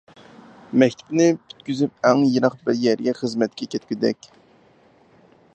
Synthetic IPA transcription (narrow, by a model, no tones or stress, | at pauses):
mɛkʲt̪ʰy̥bnɪpʰy̥t̪kʲyzyp̚ɛŋjiɾɑqbɪɾjɛɾɡʲɛχəzmɛt̪̚kʲɛkʲʰɛt̪̚kʲyd̪ɛkʲ